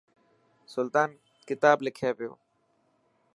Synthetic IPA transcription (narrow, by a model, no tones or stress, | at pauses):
sʊlt̪aːn | kɪt̪aːblɪkʰeːpɪjo̰ː